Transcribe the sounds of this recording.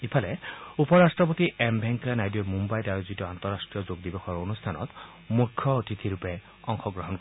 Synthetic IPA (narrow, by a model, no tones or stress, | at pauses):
ipʰalɛupɔɹasʈɹɔp̬ot̪iɛmbʱɛŋkanajdiɔmumbajdaɹozit̪ɔant̪ɔɹasʈɹijɔzoɡd̪ibɔxɔɹonust̪ʰanɔ̰t̪ | mukʰːjɔːt̪it̪ʰiɾupe | ɔŋxɔɡɹɔɦɔnkɔ